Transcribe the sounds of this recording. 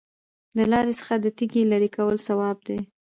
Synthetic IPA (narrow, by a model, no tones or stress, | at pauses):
lalɑɾesə̥xad̪ət̪iɡelaɾikawəlsawɑb̚d̪e